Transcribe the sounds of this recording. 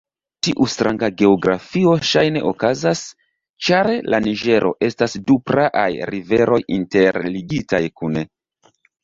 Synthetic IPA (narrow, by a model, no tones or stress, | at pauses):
tiʔustɾʔaŋɡaɡe̞oɡɾa̰fio̞ʃajne̞ʔokazas | t͡ʃaɾelaniʒe̞ɾʔo̞̰ʔe̞stasdupɾaʔajɾive̞ɾo̞jinte̞ɾliɡitajkune